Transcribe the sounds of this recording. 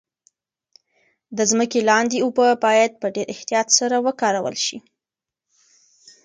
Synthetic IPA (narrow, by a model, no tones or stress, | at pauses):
d̪əzməkelɑnd̪eubəbɑjad̪̚pəɖeɾɪht̪ijɑt̪saɾawəkɑɾawə̰lʃi